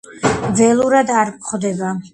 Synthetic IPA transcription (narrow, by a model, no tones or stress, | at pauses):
vɛlˠuɾad̪aɾχd̪ɛba